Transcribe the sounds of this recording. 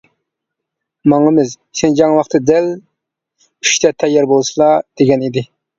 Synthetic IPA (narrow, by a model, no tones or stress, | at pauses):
mɑŋɨmɪz | send͡ʒɑŋwɑχt̪ʰɨd̪ɛl | yʃt̪ʰɛt̪ʰɛjːɑɾbolˠsɨlˠɑd̪̥eɡʲɛnid̪ɪ